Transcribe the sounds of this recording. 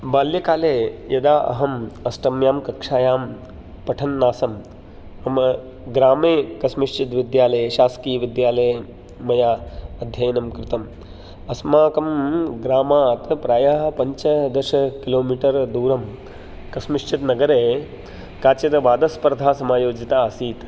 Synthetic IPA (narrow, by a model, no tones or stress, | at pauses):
baːljɐkaːleːjɐd̪aːʔɐ̰ɦɐmɐsʈɐmjaːmkɐkʂaːjaːm | pɐʈʰɐnːaːsɐm | ɐm | ɡɾaːmeːkɐsmɪʂt͡ʃɪt̪ʋɪd̪jaːlɐjʃaːskiːʋid̪jaːlɐj | mɐjaːɐd̪ʱjɐjɐnɐmkɾɪt̪ɐm | ɐsmaːkɐmɡɾaːmaːt̪pɾaːjɐɦɐpɐɲt͡ʃɐd̪ɐʃɐkiloːmiːʈɐɾd̪uːɾɐm | kɐsmɪʂt͡ʃit̪nɐɡɐɾeː | kaːt͡ʃɐt̪ɐʋaːd̪ɐspɐɾd̪ʱaːsɐmaːjoːd͡ʒit̪aːɐsiːt̪